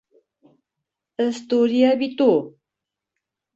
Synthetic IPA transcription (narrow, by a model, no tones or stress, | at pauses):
əst̪uɾiabit̪u